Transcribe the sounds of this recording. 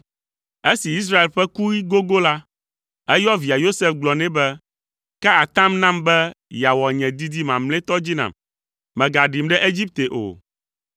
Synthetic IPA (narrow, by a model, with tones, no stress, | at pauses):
e˦si˨i˦s̬ɾa˦e˨lɸɛ˦ku˦ji˦ɡo˦ɡo˦la˦ | ɛ˦jɔ˦vi˨a˨jo˦se˦fɡ͡blɔ˨nɛ̃˦bɛ˦ | kɛ˦a˨t̪ã˦mnã˦mbɛ˦ja˨wɔ˨ɲɛ̃˨d̪i˦d̪i˦mã˨mlɛ̃˦t̪ɔ˦d͡ʑi˦nã̰˨m | mɛ̃˨ɡa˨ɖi˨mɖɛ˦ʔe˦d͡ʑi˦p̚t̪e˨ʔo̰˨